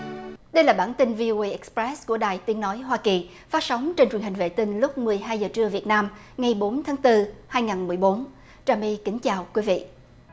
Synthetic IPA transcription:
ɗə˧jlaː˨˩ɓaː˧˩nt̪i˧nvi˧ʔo˧i˧ʔɛ˦˥k̚spɹɛ˦˥sku˧˩əɗaː˨˩jt̪i˨˦ənːɔ˨˦jɦwaː˧ki˨˩ | faː˦˥t̚sə˨˦wŋ͡mt͡ɕe˧nt͡ɕwi˨˩ənɦï˨˩ŋ̟vḛ˧˨t̪ï˧ŋlʊ˦˥k͡p̚mɨ˨˩əjɦaː˧jzəː˨˩t͡ɕɨ˧əvi˨˩ət̚naː˧m | ŋa˨˩jɓo˨˦nt̪ʰaː˨˦ŋt̪ɨ˧haː˧jŋaː˨˩nmɨ˨˩əjɓo˨˦n | t͡ɕaː˧˩mi˧kï˨˦ŋ̟t͡ɕaː˨˩wkwi˨˦vḭ˧˨ʔ

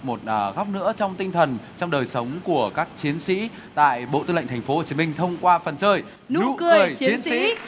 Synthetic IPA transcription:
mo˨˩t̚ʔːɣa˦˥k͡p̚nɨ̰˧˥ət͡ɕɔ˧wŋ͡mt̪ï˧ŋ̟t̪ʰə˨˩nt͡ɕɔ˧wŋ͡mɗəː˨˩jsə˨˦wŋ͡mku˧˩əkaː˦˥k̚t͡ɕi˨˦ənsḭ˧˥ | t̪a̰ː˧˨jɓo̰˧˨t̪ɨ˧lə̰˧˨ŋt̪ʰa˨˩ŋ̟fo˦ho˨˩t͡ɕi˨˦mï˧ŋ̟t̪ʰə˧wŋ͡mkwaː˧fə˨˩nt͡ɕəː˧˩j | nṵṵ˥˧˥kɨ˨˩əɨ˨˩əjt͡ɕt͡ɕi˨˦ənsḭ˧˥

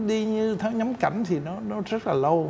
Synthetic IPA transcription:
ɗi˧ɲɨ˧t̪ʰa˨˦ɲa˨˦mka˧˩jŋ̟t̪ʰi˨˩nɔ˨˦nɔ˨˦zə˦˥t̚laː˨˩lə˧w

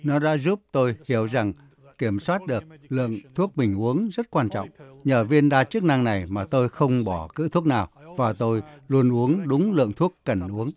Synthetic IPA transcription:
nɔ˨˦ɗa̰ː˧˥zu˦˥p̚t̪o˧jhi˧˩əwza˨˩ŋ | ki˧˩əmswaː˦˥t̚ɗɨ˨˩ək̚lɨ̰˧˨əŋt̪ʰu˦˥ək̚mï˨˩ŋ̟ʔu˨˦əŋzə˦˥t̚kwaː˧nt͡ɕɔ̰˧˨wŋ͡mɲəː˨˩vi˧ənɗaː˧t͡ɕɨ˦˥k̚na˧ŋna˨˩jmaː˨˩t̪o˧jxə˧wŋ͡mɓɔ˧˩kɨ̰˧˥t̪ʰu˦˥ək̚naː˨˩wvaː˨˩t̪o˧jlu˧ənʔu˨˦əŋɗʊ˨˦ŋ͡mlɨ̰˧˨əŋt̪ʰu˦˥əkːə˨˩nʔu˨˦əŋ

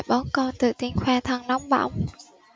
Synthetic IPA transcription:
jɓɔ˨˦nkɔ˧nt̪ɨ̰˧˨˩t̪i˨˦əŋxwaː˧t̪ʰə˧ŋnɔ˨˦wŋ͡mɓa̰˧˩wŋ͡m

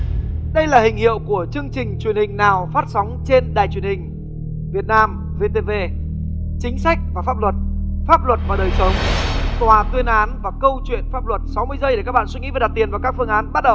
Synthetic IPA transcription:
ɗə˧jlaː˨˩hï˨˩ŋ̟hḭ˧˨əwku˧˩ət͡ɕɨ˧əŋt͡ɕï˨˩ŋ̟t͡ɕwi˧˩ənhï˨˩ŋ̟naː˨˩wfaː˦˥t̚sa˨˦wŋ͡mt͡ɕe˧nɗaː˨˩jt͡ɕwi˨˩ənhï˨˩ŋ̟ | vi˨˩ət̚naː˧m | ve˧t̪e˧ve˧ | t͡ɕï˨˦ŋ̟sa˦˥jk̟̚vaː˨˩faː˦˥p̚lwə˨˩t̚faː˦˥p̚lwə˨˩t̚vaː˨˩ɗəː˨˩jsə˨˦wŋ͡mt̪waː˨˩t̪wi˧ənʔaː˨˦nvaː˨˩kə˧wt͡ɕwḭ˧˨ənfaː˦˥p̚lwə˨˩t̚sa˨˦wmɨ˧əjzəː˧jɗe˧˩kaː˦˥k̚ɓa̰ː˧nswi˧ŋḭ˧˥va˨˩ɗt̚t̪i˨˩ənvaː˨˩wkaː˦˥kfɨ˧əŋʔaː˨˦nɓa˦˥t̚ɗə˨˩w

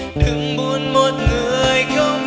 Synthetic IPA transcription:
ɗɨ˨˧˩ŋɓu˧ənmo˨˩t̚ŋɨ˨˧˩əəjxə˧wŋ͡m

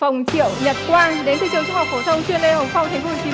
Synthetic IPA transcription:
fə˨˩wŋ͡mt͡ɕḭ˧˨ə˨wɲə˨˩t̚kwaː˧n˧˨ɗe˨˦nt̪ʰɨ̰˨˧˩t͡ɕɨ˨˧˦ŋt͡ɕːhk̚fo˧˩t̪ʰə˧wŋ͡mt͡ɕwi˧ənle˧˨hə˨˩ŋ͡mfa˧wŋ͡mt̪ʰa˨˦ŋ̟fo˧˩˧t͡ɕi˨˦

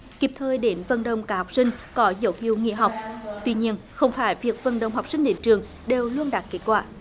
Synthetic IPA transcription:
ki˨˩p̚t̪ʰəː˧jɗe˨˦nvə˨˩nɗə˨wŋ͡mkaː˨˦ha˨˩wk͡p̚sï˧ŋkɔ˨˦zə˨˦wtḭ˧˩əwŋḭ˧˨əɦa˨˩wk͡p̚t̪wi˧ɲi˧ən | xə˧wŋ͡mfaː˧˦jvi˨˩ək̚və˨˩nɗə̰˨wŋ͡mɦa˨˩wk͡p̚sï˧ŋ̟ɗe˨˦nt͡ɕɨ˨˩əŋ | ɗe˨˩wlu˧ənɗaː˨˩t̚ke˨˦˥t̚kwaː˧˩

